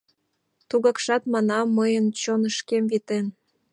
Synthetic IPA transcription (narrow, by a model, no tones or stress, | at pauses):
t̪uɣɑkʃɑt̪mɑnɑmːəjənt͡ɕonəʃkemvit̪en